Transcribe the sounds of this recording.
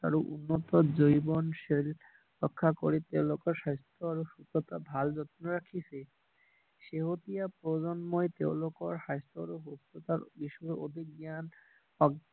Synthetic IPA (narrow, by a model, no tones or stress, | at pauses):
t̪a̰ɾoʔṵnːɔt̪ɔd͡ʑojbɔnʃel | ɾɔkʰːako̰ɾet̪ewlɔkɔɾʃajst̪ʰoaɾoʃut̪ɔt̪abʱald͡ʑɔt̪noɾakʰisʰe | ʃeɦot̪ijapɾod͡ʑɔnmɔet̪ewlokɔɾʃajst̪ɔaɾoɦost̪ot̪aɾbiʃɔeod̪ʱik̚ɡjan | ɔɡ